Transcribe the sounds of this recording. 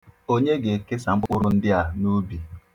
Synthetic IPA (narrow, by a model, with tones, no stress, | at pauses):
o˦ɲe˦ɡe˨ke˦sa˨m̩˦k͡pʊ˦k͡pʊ˦ɾʊ˦n̩˦dɪ˦a˨nu˦bi˨